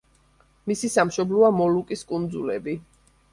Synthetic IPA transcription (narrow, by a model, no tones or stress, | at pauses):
misisamʃɔblɔamɔlukʼiskʼund̪zulɛbi